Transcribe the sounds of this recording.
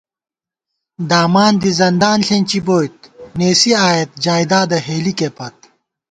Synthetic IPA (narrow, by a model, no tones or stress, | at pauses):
d̪aːmaːnd̪izɐnd̪aːnɬenʲt͡ɕiboːjt̪̚neːsiaːjet̪̚d͡ʑaːjd̪aːd̪ɐɦeːlikepɐt̪̚